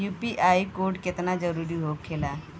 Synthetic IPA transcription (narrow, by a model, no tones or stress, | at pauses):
jupiʔajkoɾɖket̪nad͡zəɾuɾiːɦokʰːela